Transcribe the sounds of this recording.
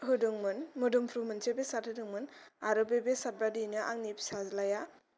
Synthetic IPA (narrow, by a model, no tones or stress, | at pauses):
ɦɯdɯŋmɯnmɯdumpʰɾumɯnsebesat̚hɯdɯŋmɯnaɾɯbebesabɾadinɯʔaŋnipsazlaja